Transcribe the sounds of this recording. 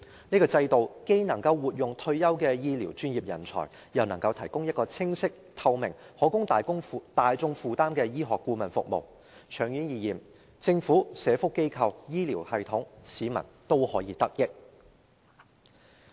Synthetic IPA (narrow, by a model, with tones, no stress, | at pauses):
niː˥kɔː˧t͡sɐ˧jt̪o˨wke˥jnɐ˨˩ŋkɐ˧wwuː˨t̚jʊ˨ŋt̪ʰɵ˧ɥjɐ˥wkɛː˧jiː˥liː˨˩wt͡ʃyː˥njiː˨p̚jɐ˨˩nt͡sʰɔ̰ː˨˩j | jɐ˨wnɐ˨˩ŋkɐ˧wt̪ʰɐ˨˩jkʊ˥ŋjɐ˥t̚kɔː˧t͡sʰɪ˥ŋsɪ˥k̚t̪ʰɐ˧wmɪ˨˩ŋhɔː˨˥kʊ˥ŋt̪aː˨jkʊ˥ŋ˨t̪aː˨jt͡sʊ˧ŋfuː˨˧t̪aː˥mkɛː˧jiː˥ɦɔː˨kːuː˧mɐ˨nfʊ̰˨k̚mo̰˨˩w | t͡ʃʰœː˨˩ŋjyː˨˥njiː˨jiː˨˩m | t͡sɪ˧ŋfuː˨˥sɛː˨˧fʊ˥kːe˥jkʰɐ˧wjiː˥liː˨˩whɐ˨jt̪ʰʊ˨˥ŋsiː˨˥mɐ̰˨˩nt̪o˥whɔː˨˥jiː˨˧t̪ɐ˥k̚jɪ˥k̚